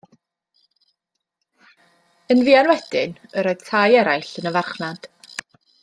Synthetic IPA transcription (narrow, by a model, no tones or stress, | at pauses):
ənviːanwɛd̥ɪnəɾoɨð̥tʰajɛɾajɬənəvarχnad̥